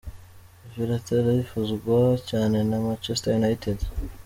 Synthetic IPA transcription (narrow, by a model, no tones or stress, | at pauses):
ivjuɾateɾaβifuzɡwacaːne̞namat͡ʃestajunajited